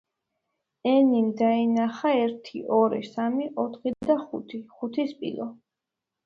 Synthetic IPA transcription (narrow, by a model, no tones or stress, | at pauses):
ɛnimd̪ainaχaɛɾt̪ʰiʔɔɾḭsamiʔɔt̪ʰχid̪aχṵt̪ʰiχut̪ʰispʼḭlˠɔ